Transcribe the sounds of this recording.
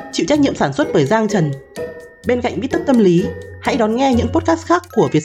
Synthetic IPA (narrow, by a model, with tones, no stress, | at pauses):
t͡ɕḭ˧˨wt͡ɕa˦˥jk̚ɲḭ˧˨əmsaː˧˩nswə˦˥t̚ɓəː˧˩jzaː˧ŋt͡ɕə˨˩n | ɓe˧nka̰˧˨ŋ̟vi˦˥t̪̚ə˦˥t̪ə˧mli˨˦ha̰˧˥jɗɔ˨˦nŋɛ˧ɲɨ̰˧˥ŋpo˦˥t̚kaː˦˥t̚xaː˦˥kːu˧˩əvi˨˩ət̚